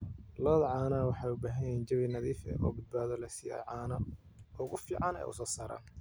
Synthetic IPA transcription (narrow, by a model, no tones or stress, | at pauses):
lɔːðɐʕɑːnɐwɑħɑjʊbaːɦɐjɐjɛːnd͡ʒɐβinɐðiːfɛ̰ʔɔ̰ːbɪd̪̚baːðɔlɐjsijɛ̰jʕɑːnɐ | ʔʊɣʊfiːʕɑnɛ̰ːʔʊ̰sɔːsaːɾa̰ːn